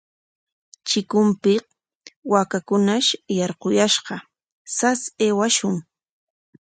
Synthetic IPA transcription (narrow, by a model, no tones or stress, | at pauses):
t͡ʃɪkʊmpɪ | wakakʊnaʃjɑɾqojaʃɢɑ | saseːwaʃʊŋ